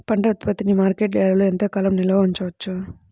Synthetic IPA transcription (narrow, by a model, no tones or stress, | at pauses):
pɐɳʈɐt̪pɐt̪inimaːɾkeːʈlɛːlɐloːent̪ɐkɐlɐmnilɐʋɐuɲt͡ʃɐʋɐt͡ʃːu